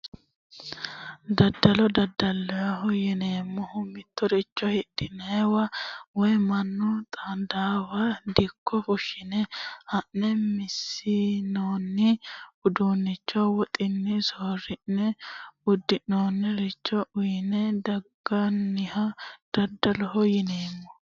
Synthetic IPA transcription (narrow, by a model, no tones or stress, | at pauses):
d̪ɐd̪ːɐlɔd̪ɐd̪ːɐlːɔjɐɦɔjɛneːmːɔhʊmːɪt̪ːɔɾɛt͡ʃːɔhɪɗɪnɐwɐwɔjmɐnːɔt̪ʼɐnd̪aːwɐd̪ɪkʰːɔfʊʃɪnɛhɐʔːɛmɪsːɪnoːnːɪʊd̪uːnːɪt͡ʃːɔwɔt̪ʼɪnːɪsoːrɪnːɛʊd̪ːɪnːoːnːɛɾɛt͡ʃːɔʔʊjnɛd̪ɐɡːɐnːɪhɐd̪̥ɐd̪ːɐlɔɦɔjɪneːmːɔ